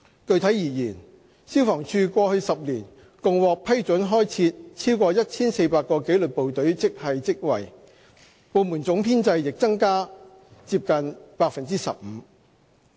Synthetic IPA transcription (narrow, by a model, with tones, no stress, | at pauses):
kɵ˧ɥt̪ʰɐ˨˥jjiː˨˩jiː˨˩n | si˥wfɔː˨˩ŋt͡ʃʰyː˧kʷɔː˧hɵ˧sɐ˨p̚liː˨˩n | kʊ˨ŋwɔː˨k̚pʰɐ˥jt͡ʃɵ˨˥nɦɔː˥jt͡sʰiː˧t̚t͡sʰiː˥wkɔː˧jɐ˥t̚t͡sʰiː˥nse˧jpaː˧t̚kːɔː˧ke˨˥jlɵ˨t̚po˨wt̪ɵ˨˥ɥt͡sɪ˥k̚hɐ˨jt͡sɪ˥k̚wɐ̰˨˩j | po˨wmu˨˩nt͡sʊ˨˥ŋpʰiː˥nt͡sɐ˧jːɪ˨k̚t͡sɐ˥ŋkaː˥ | t͡siː˧p̚kɐ˨npaː˧k̚fɐ˨nt͡siː˥sɐ̰˨p̚m̩ː˨˧˦